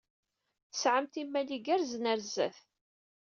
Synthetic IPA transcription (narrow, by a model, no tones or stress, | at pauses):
θə̥sʕəmt̪imːæliɡæɾznəɾzæ̰θ